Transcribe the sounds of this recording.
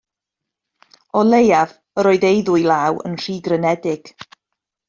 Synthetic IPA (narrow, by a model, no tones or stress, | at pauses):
ɔlejav | əɾoːɨðejðʊjlaːwə̰nr̥iːɡrənɛdɪɡ̥